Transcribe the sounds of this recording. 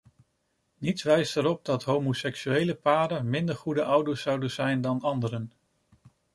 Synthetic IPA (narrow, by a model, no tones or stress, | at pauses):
nitsʋɛjstəɾɔp̚dɑtɦowmosɛksyejləpaːdəmɪndəɹχudəʔʌwdəɹsɑwdənz̥ɛjndɑnɑndəɾən